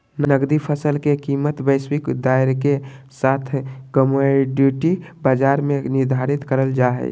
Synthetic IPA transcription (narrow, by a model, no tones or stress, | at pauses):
nnəɡd̪ipʰəsəlkekimət̪bəɪswikd̪aɪɾkesat̪ʰkəmoɖiʈibad͡ʒaɾmenɪɾd̪ʱaɾit̪kəɾəld͡ʒaɦɛ̰